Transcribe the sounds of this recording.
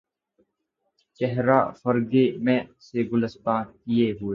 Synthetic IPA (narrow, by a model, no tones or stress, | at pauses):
t͡ʃɛɦɾa̰ːfəɾɡeːmɛ̃ːseːɡʊləst̪ãːkieːɦʊeː